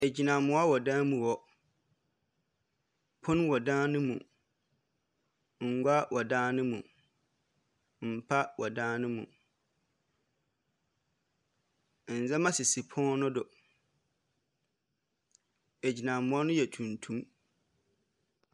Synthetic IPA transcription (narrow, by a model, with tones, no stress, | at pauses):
æ˨d͡ʑi˨nã˨mʊ̃˦a˦wɔ˨dãː˦mũ˨wɔ˨ | pʰʊ̃˦nwɔ˨dãː˦nʊ̃˦mṵ̃˨ | ŋ̩˨ɡʷa˦wʔɔ˨dãː˦nʊ̃˦mṵ̃˨ | m̩˨pʰa˦wɔ˨dãː˦nʊ̃˦mṵ̃˨ | n̩˨zɛ̃˦mã˦sɪ˨si˨pʰɔ̃˦nʊ̃˦dʊ˨ | æ˨d͡ʑi˨nã˨mʊ̃˨˦ɔ˦nʊ̃˦jɛ˨tʰũ˨ntʰũ˦m